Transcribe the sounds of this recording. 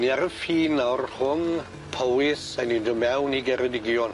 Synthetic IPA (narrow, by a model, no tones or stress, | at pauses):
niaɾəfiːnarr̥ʊŋ | pʰowɪsanindɔmɛwniɡɛɾədɪɡjɔn